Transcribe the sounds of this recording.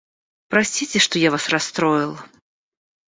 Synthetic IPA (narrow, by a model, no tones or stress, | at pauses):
pɾɐsʲtʲit͡sʲɪʂt̪ɔjavasrast̪ɾɔjɪlˠ